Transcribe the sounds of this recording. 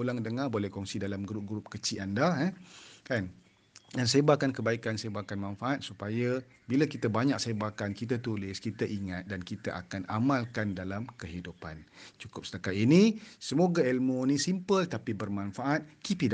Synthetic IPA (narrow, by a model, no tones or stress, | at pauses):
olaŋdəŋabolɛhkɔŋsidalamɡɾup̚ɡɾup̚kət͡ʃiandaɛkan | dans̬ebakankəbaikansebakanmãnfaʔat̪̚supaja | bilakit̪abaɲak̚sebakankit̪̬at̪ulɪskit̪aʔiŋat̪̚dankit̪aʔa̰kana̰mãlkandalamkəɦidupant͡ʃukʊp̚sə̥t̪akat̪inisəmoɡaɛlmonĩsimpəlt̪apibərmãnfaʔat̪̚kipida